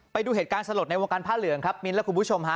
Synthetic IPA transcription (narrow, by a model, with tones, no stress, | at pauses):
pa˧jduː˧ɦeː˨˩t̪̚kaː˧nsa˧lu˨˩t̪̚na˧jwoː˧ŋkaː˧npʰaː˥˩lɯ˨˩˦əŋkʰɾa˦˥p̚mi˧nlɛ˦˥kʰu˧mpʰu˥t͡ɕʰo˧mɦʰa˦˥